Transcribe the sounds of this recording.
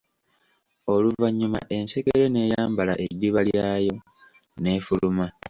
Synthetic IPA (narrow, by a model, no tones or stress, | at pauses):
o̞luvaɲːuma̰ʔe̞nse̞keɾe̞ne̞ːjaːmbalaʔe̞dːiβaljaːjo̞ | ne̞ːfuluma